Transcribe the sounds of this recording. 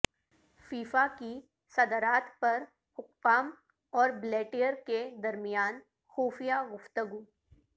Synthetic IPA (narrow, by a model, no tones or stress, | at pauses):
fiːfaki | sɐd̪əɾaːt̪pɐɾ | hʊkpaːm | ɔːɾbleːʈijəɾked̪ɐɾmɪjaːn | xuːfijaɡʊft̪əɡuː